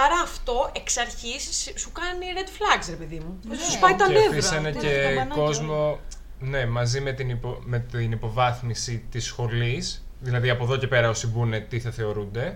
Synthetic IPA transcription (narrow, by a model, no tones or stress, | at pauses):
ɐɾɐːft̪o̞ʔeksɐɾçisssukɐniɾed̪flɐksɾepeðimuoɐsuspɐit̪ɐnd̪eviseneceko̞zmo̞ | ne̞mɐzimet̪inipomet̪inipo̞vɐθmisit̪isxo̞lisðilɐðiɐpoðo̞ce̞pe̞ɾɐo̞sibune̞t̪iθɐθe̞o̞ɾund̪e̞